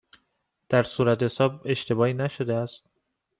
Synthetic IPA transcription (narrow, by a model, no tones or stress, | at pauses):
d̪̥æɾsuːɾæt̪ʰesɒːbe̞ʃt̪ʰe̞bɒːhiːnæʃod̪eæst̪̚